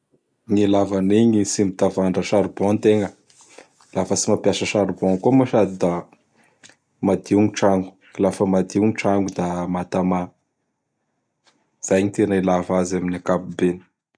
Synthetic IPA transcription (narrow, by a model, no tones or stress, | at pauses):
ŋilavaniɲisimit̪avaɳɖ͡ʐəʃaɾibɔnt̪eŋə | lafəsimapjasəʃaɾibɔŋkumuʃad̪id̪a | mad̪iuŋʈ͡ʂaŋɡu̥ | ilafəmad̪iuŋiʈ͡ʂaŋɡud̪amat̪ama | z̥ajɲit̪enailavazaminakapubeni̥